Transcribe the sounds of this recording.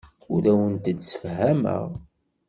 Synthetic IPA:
ʊɾæwənt̪əd̪sə̥fɦæmə̰ʁ

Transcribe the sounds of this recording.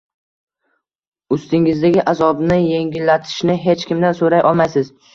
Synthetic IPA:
ʊst̪ɪŋɪzd̪aɡʲɪʔazɒbnɪje̞ŋʲɪlːat̪ʰɪ̥ʃnɪɦe̞t͡ʃkʲɪmd̪ansoɾajʔɒlˠmajsɪz

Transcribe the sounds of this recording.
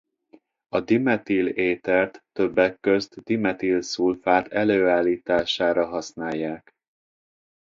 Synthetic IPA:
ɒd̪imɛt̪ileːt̪ɛrt̪ːø̞bːɛkːøzt̪d̪imɛt̪ilsulfaːt̪ʰɛløːaːlːiːt̪aːʃaːɾɒɦɒsnaːjːaːk

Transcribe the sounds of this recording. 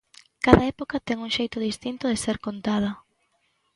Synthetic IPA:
kaðɐɛpokɐt̪ɛŋuŋʃejt̪ʊðist̪int̪ʊðɪseɾkont̪að̞ɐ

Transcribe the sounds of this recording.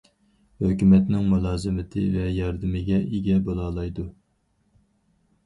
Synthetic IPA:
høkʲymɛt̪nɪŋmulˠɑːzɨmɪt̪ʰɪ̰vɛjɑɾd̪ɪmɪɡʲɛʔiɡʲɛbolˠɑːlˠɑjd̪u

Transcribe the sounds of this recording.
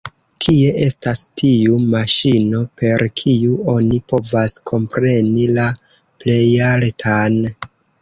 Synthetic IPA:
kʰie̞ʔe̞stastʰiumaʃino̞pʰe̞ɾkʰiuo̞nipo̞vaskʰo̞mpɾe̞nila | ple̞jaltʰan

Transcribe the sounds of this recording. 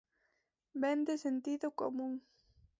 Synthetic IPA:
bɛnd̪ɪsent̪iðʊko̰muŋ

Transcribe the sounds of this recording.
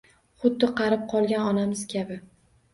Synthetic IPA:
χʊd̪ːɪqʰɑɾɪp̚qʰɒlˠɡʲanɒnamɪz̥kʲʰabɪ

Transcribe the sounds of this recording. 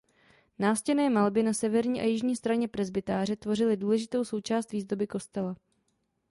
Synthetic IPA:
naːscɛnɛːmalbɪnasɛvɛɾɲiːʔa̰jɪʒɲiːst̪ɾaɲɛpɾɛzbɪt̪aːrɛt̪vo̞rɪlɪduːlɛʒɪt̪o̞wso̞wt͡ʃaːst̪viːzdo̞bɪko̞st̪ɛla

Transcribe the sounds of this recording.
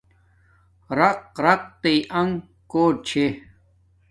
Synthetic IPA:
ɾɐq̚ɾɐq̚t̪eiʔɐŋ | koːʈ̚t͡ɕʰe

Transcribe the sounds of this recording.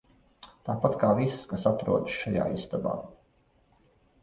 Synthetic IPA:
t̪aːpat̪kaːvisskasat̪ɾṵɔd̪ʃʃaja̰ːist̪aba̰ː

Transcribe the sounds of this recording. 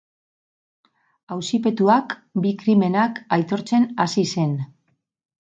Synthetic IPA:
awsipe̞t̪uakbikɾime̞nakajt̪o̞ɾt͡se̞nasise̞n

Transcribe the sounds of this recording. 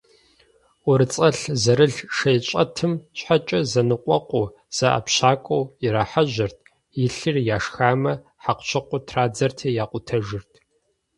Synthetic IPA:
ʊɾɨt͡sʼɐɬzɐɾɨɮʂɐjɕʷʼɐ̰tʰɨmɕħat͡ʃʼɐzɐnɨqʷʼɔqʷʼʊ | z̥ɐʔa̰pɕaːkʷʼowiɾaħaʑɪrtʰ | jɪɬɨrjaːʂxaːmɐ | ħaqʷɕʰɐqʷʊtʰraːd͡zɐrtʰeːjaːqʷʊtʰɐʒɪrtʰ

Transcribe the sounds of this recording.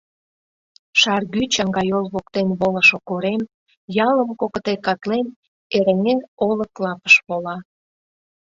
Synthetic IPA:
ʃɑrɣyt͡ɕɑŋɡɑjolβokt̪enβolə̆ʃokoɾem | jɑləmkokət̪ekɑt̪len | eɾeŋeroləklɑpə̥ʃβolɑ

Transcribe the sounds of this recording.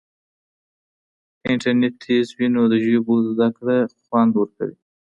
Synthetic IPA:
ɪɳʈaɾneʈt̪ʰezwinod̪əʒobod̪zd̪akɽaxwand̪wəɾka̰wḭ

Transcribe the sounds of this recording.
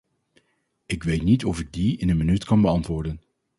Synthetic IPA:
ɪkʋejtnitɔfɪɡ̚diɪnənmənytkɑnbəɑntʋʊːɹdən

